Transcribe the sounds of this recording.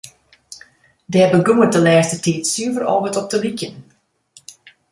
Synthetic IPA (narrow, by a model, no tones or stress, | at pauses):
dɛɛbəɡuətəlɛːstətiːtsyəvərɔ̰ːvətɔp̚dəlikjən